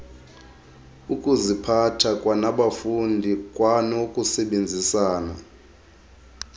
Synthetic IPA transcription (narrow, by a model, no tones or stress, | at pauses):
ukʼuzipʰatʰakʼwanaɓafundʱikʼwanokʼusɛɓend͡zʱisaːna